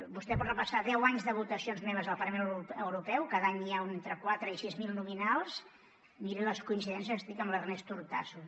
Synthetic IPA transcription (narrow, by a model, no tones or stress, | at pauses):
bust̪ɛpɔt̪rəpəsaðɛwaɲzðəβ̞ut̪əsionzmeβ̞əzðəlˠpɐrləmẽnəwɾupɛwkaðaɲiaunent̪ɾəkwat̪ɾəisizmilˠnuminalˠs | miɾeləskuinsiðɛns̬jəzst̪ɾikəmlərnɛst̪uɾt̪a̰su